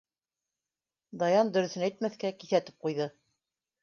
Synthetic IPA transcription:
d̪ɑjɑnd̪ɵ̆ɾɵ̆θɘ̆næjt̪̚mæθkækiθæt̪ɘ̥p̚qujðɤ

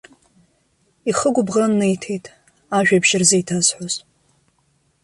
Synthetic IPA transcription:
iχəɡʷʊbʁrɨnːɨjtʰejtʼ | aʒᶣabʃɪrzejtʰazħʷoz

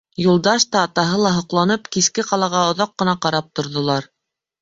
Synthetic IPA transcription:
julˠd̪ɑʃt̪ɑːt̪ɑɦɤlˠɑɦŏqlˠɑnɤpkiskɘqɑlˠɑʁɑŏðɑqːɤ̆nɑqɑɾɑp̚t̪ŏɾðŏlˠɑɾ

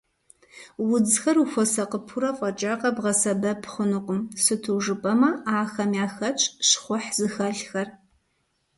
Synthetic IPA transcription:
wʊd͡zxɐruxʷɔsɐqəpʰuɾɐfʷʼɐt͡ʃʼaːqʼɐbʁɐsɐbɐpʰχʷʊnɨqʷʼʊmsɨtʰuːʐɨpʼɐmɐaːxɐmjaːxɐt͡ʃʼɕχʷʊħzɨxɐɮxɐr

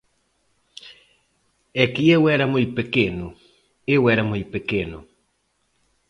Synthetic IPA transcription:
ɛkiɛwɛɾamʊjpekeno | ɪwɛɾamʊjpekeno̰

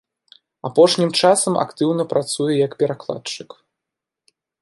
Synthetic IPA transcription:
apɔʂnʲimt͡ʂasɐmʔa̰kt̪ɨwnɐpɾat̪sujɛjɐkpʲɛɾaklˠa̰t̪t͡ʂɨk

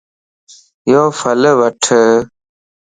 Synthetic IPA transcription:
joːfələʋəʈʰə

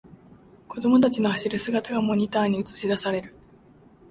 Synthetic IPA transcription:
ko̞d̪o̞mo̞t̪̬at͡ɕino̞haɕiɾɯ̟sɨɡat̪aɡamo̞ɲ̟ʲit̪aːɲ̟iɯt͡sɨ̥ɕid̪asaɾe̞ɾɯ̟

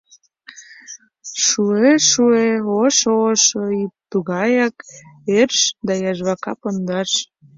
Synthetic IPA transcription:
ʃueʃueoʃoʃoit̪uɣɑjɑkerʃd̪ɑjɑʒβɑkɑpond̪ɑʃ

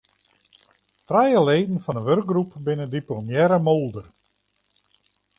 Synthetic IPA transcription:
trajəleːdn̩fɔnəʋørk̚ɡrupbɪnədiplomjɛɾəmolˠdər

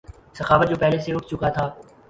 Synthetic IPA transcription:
sɐxaːʋət̪̚d͡ʒoːpɛɦleseʊʈ̚ʰt͡ʃʊkat̪ʰaː

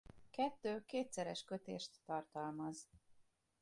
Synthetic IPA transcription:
kɛt̪ːøːkeːt̪sɛɾɛʃkø̞t̪ḛːʃt̪ːɒrt̪ɒlmɒz

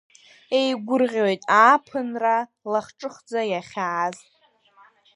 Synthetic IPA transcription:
e̞jɡʷʊrʁʲojtʼaːpʰɨnra | laχʈ͡ʂʼɨχd͡zajaχʲaːz

